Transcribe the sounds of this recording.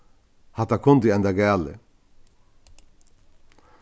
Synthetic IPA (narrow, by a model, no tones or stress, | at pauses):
hat̪akʰʊnt̪iɛnd̪aɡɛːlɪ̰